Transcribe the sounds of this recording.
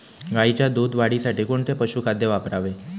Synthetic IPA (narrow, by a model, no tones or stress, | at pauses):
ɡait͡ɕjad̪uːd̪ʋaɽisaʈiːkoɳt̪epəɕuːkʰad̪jeʋapɾaʋe